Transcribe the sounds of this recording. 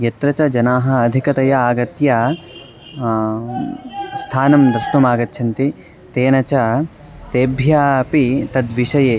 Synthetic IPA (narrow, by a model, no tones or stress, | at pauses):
jɐt̪ɾɐt͡ʃɐd͡ʒɐnaːɦɐ̆ːd̪ʱikɐt̪ɐjɐaːɡɐt̪ja | st̪ʰaːnɐmd̪ɾɐst̪ɐmaːɡɐt̪ʰːʃʰɐnt̪i | t̪eːnɐt͡ʃɐ | t̪eːbʱjaːpit̪ɐd̪ʋiʂɐjeː